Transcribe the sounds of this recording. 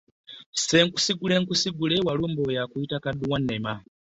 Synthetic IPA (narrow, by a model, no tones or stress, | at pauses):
seŋku̥siɡuleŋkusiɡulewalumbojakuitakaduwanːema